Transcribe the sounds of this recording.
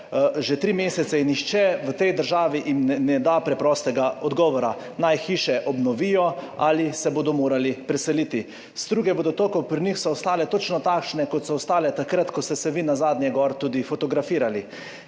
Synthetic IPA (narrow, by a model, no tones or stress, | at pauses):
ʒɛt̪ɾiːmeːsɛt̪sɛinixt͡ʃɛʋət̪ɛjd̪əɾʒaːʋiʔimnɛnɛd̪apɾɛpɾɔst̪ɛɡaɔd̪ɡɔːʋɔɾa | najxiːʃɛʔɔbnɔʋiːjɔalisɛboːd̪ɔmoːɾalipɾɛsɛliːt̪i | z̥d̪ɾuːɡɛbod̪ɔt̪okɔpɾinixsɔɔst̪aːlɛt̪ot͡ʃnɔt̪aːkʃnɛkɔt̪sɔɔst̪aːlɛt̪akɾat̪kɔst̪ɛsɛʋinazaːd̪njɛɡɔɾt̪uːd̪ifɔt̪ɔɡɾafiːɾali